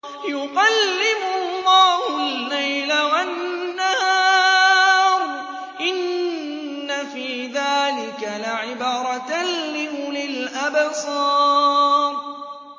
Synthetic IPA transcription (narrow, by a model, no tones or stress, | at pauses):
jʊqɑlːɪmʊlːɑːhʊlːajlawanːahaːaːɾˤ | ʔɪnː | afiːðaːlɪkalaʕɪbaːɾˤɑt̪llɪlɪlʔabsˤɑː | ɾ